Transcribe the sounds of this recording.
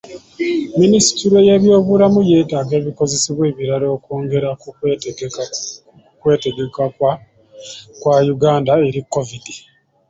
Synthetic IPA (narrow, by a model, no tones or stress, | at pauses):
minisi̥tiɾeje̞βjo̞ːβulamuje̞ːtaːɡe̞ːβiko̞ze̞siβwe̞ːβiɾaɾo̞ːkoːŋɡe̞ɾa | kwe̞ːte̞ɡe̞kaa | kwajuɡaːndae̞ɾikːovidi